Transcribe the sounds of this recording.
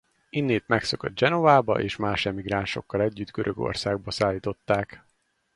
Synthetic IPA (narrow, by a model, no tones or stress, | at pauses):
inːeːt̪mɛkso̞kod̪̚d͡ʒɛno̞vaːbɒ̰ʔeːʃmaːʃɛmiɡɾaːnʃo̞̰kːɒlɛɟːyd̪ɡøɾʔøɡo̞̰rsaːɡ̚bɒsaːlːiːt̪o̞t̪ːaːk